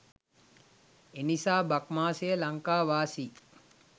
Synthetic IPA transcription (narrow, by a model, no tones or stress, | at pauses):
enisaːbakmaːsejəlaŋkaːʋaːsi